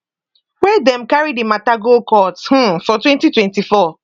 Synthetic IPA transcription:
wɛdɛ̃mkaɹidimataɡokɔth̩fɔtwɛ̃ntitwɛ̃ntifɔ

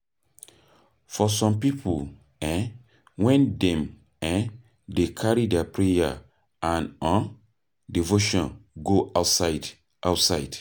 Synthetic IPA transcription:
fɔsɔ̃mpipʰu | ɛ̃ | wɛ̃ndɛ̃m | ɛ̃ | dekʰaɹidɛpɹeja̰ | ãnɔ̃n | divoʃɔ̃nɡoʔatsad | ʔawtsaɪd̥

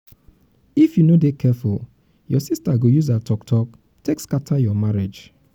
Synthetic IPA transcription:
ifjunodekʰɛful | jɔsistaɡojuzatʰɔktʰɔk̚ | tekskatʰajɔmaɹed͡ʒ

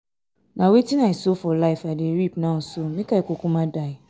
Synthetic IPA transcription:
nãwetinãɛsofɔlaifadiɾipnãn̩somĩkaekokũmãdaɪ

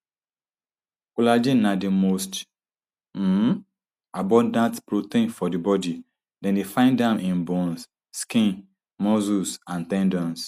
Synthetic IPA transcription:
kulad͡ʒinadimost | m̩ | abɔ̃ndãntpɾotĩnfɔdibɔdi | dɛ̃ndefãɪ̃ndãmʔɪ̃nbɔ̃ns | skĩn | mɔzusãntɛ̃ndɔ̃ns

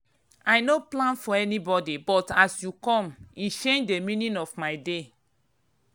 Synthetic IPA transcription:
ajnoplãnfɔɛnibɔdibɔtasjukɔ̃mit͡ʃẽnd͡ʒdemĩnĩnɔfmaɪde

